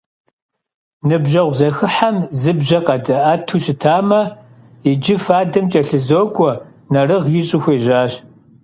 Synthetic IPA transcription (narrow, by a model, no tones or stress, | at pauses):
nɨbʒɐʁʷzɐxɨħamzɨbʒɐqʼɐdɐaːtʰuɕɪtʰaːmɐ | id͡ʒɪfaːdɐmt͡ʃʼɐɬɨzoːkʷʼɔ | nɐrɨʁjɪɕʼɪxʷeːʒaːɕ